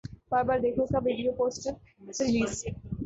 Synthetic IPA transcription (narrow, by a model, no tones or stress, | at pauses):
paɾbaɾd̪ekʰok̪abʱiɖioposʈeɾ | siliz